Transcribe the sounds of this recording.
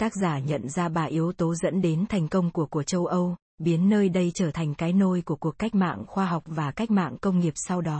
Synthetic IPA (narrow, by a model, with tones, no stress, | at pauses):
t̪aː˦˥k̚zaː˧˩ɲə̰˧˨nzaː˧ɓaː˨˩ʔi˨˦əwt̪o˨˦zə̰˧˥nɗe˨˦nt̪ʰɛ˨˩jŋ̟kə˧wŋ͡mku˧˩əku˧˩ət͡ɕə˧wʔə˧w | ɓi˨˦ənːəː˧jɗə˧jt͡ɕəː˧˩t̪ʰa˨˩ŋ̟kaː˨˦jno˧jku˧˩əku˨˩əkːa˦˥jk̟̚ma̰ː˧˨ŋxwaː˧ɦa˨˩wk͡p̚vaː˨˩ka˦˥jk̟̚ma̰ː˧˨ŋkə˧wŋ͡mŋi˨˩əp̚sa˧wɗɔ˨˦